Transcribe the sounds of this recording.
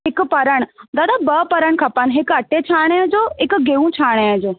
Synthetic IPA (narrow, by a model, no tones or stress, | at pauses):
ɦɪkpɐɾəɽ̃d̪aːd̪abəpəɾəɳ̃kʰɐpanɦekɐʈet͡ɕʰaːɽ̃ə̃d͡ʑoekɡeʋũt͡ɕʰaːɽ̃eə̃d͡ʑoː